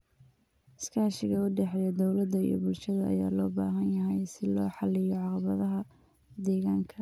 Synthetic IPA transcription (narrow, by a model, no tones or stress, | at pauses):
skʰaːʃɪɣɐʊɖɛħɛjɐd̪ɔwlɐd̪ɐḭjɞ̰bʊlʃɐðɐʔɐ̰ja̰ːlɔːbaːɦɐnjɐɦɛjsɪlɔːħɑlɪjɔʕɑqɑβɐðɐɦɐ | d̪ɛːɣaːŋkʰɐ